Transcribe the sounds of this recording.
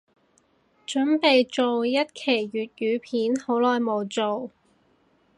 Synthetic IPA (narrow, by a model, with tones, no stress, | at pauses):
t͡ʃɵ˨˥npe˨jt͡ʃo˨wjɐ˥t̚kʰe˨˩jɥyː˨t̚jyː˨˧pʰiː˨˥nho˨˥wlɔː˨jmo˨˧wt͡ʃo˨w